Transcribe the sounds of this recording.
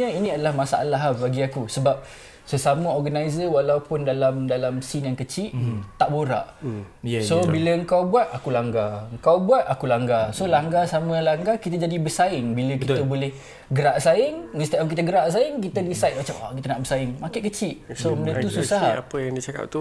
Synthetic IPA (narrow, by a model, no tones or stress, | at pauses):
əinĩadəlahmasaʔa̰laɦabaɡiakusəbap̚ | səsamə̃ɔrɡanajzəwalawpʊndalamdalamsinjaŋkət͡ʃiʔt̪aʔboɾa̰ʔ | sobiləəŋkawbuat̪̚akulaŋɡaəŋkawbuat̪akulaŋɡasolaŋɡasaməlaŋɡakit̪əd͡ʒadibəsaɪŋbiləkit̪əbolɛh | ɡəɾaʔsaɪŋĩnst̪ɛʔk̬it̪əɡəɾaʔsaɪŋkit̪ədisajt̪̚mat͡ʃamwa̰kit̪ənaʔbərsaɪŋmakɪʔkət͡ʃɪʔsomədət̪ususaɦapəjaŋdit͡ʃaka̰p̚t̪u